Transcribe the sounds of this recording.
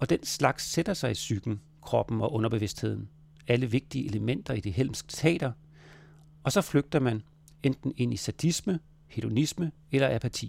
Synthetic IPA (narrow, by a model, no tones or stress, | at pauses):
ɒ̽d̥enslɑ̈ɡ̥sːed̥ɐsɑ̈ɪisyɡ̥n̩ | kʰʁɒ̽b̥n̩ɒ̽ʔɔ̽nɐb̥eʋe̝sd̥he̝ð̞̰ˠn̩ | æləʋe̝ɡ̥̚d̥iəʔe̝ləmen̰d̥ɐid̥iɦel̰msɡ̥ə̥t͡sʰɛ̰ːd̥ɐ | ɒ̽sɒ̽fløɡ̥̚d̥ɐmæn | end̥n̩e̝n̰isæd̥ismə | he̝d̥o̝nismə | elɐʔæpʰæt͡sʰḭː